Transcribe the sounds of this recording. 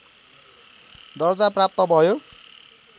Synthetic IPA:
d̪ʌrd͡zaprap̚t̪ʌbʱʌjo

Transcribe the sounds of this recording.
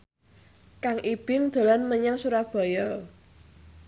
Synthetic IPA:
kaŋʔib̥ɪŋd̪̥a̤lanməɲaŋsuɾab̥a̤jɔl

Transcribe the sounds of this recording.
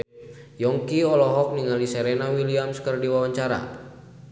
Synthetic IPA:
jɔŋkiɔlɔɦɔk̚niŋaliseɾenawiliamskərdiwawaɲt͡ʃaɾa̰

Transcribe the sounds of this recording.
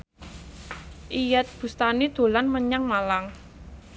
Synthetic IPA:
ʔijat̪̚b̥ṳst̪anid̪̥o̤lanməɲaŋmalaŋ

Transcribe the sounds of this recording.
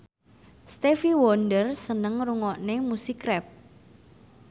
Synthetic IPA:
st̪efiwɔndərsənəŋruŋɔʔnemusikɾɛp̚

